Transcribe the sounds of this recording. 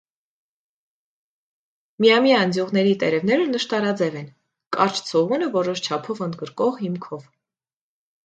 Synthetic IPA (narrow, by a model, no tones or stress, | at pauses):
mijɑmijɑːnd͡zjuʁnɛɾit̪ɛɾɛvn̪ɛɾənəʃt̪ɑɾɑd͡zɛvɛn | kɑɾt͡ʃʰt͡sʰɔʁunəvɔɾɔʃt͡ʃʰɑpʰɔvənd̪ɡəɾkɔʁhimkʰɔv